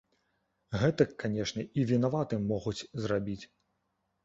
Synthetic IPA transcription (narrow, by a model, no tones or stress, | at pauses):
ɣɛt̪ɐkːanʲɛʂnʲɐʔivʲin̪avat̪ɨmːɔɣut͡sʲzrabʲit͡sʲ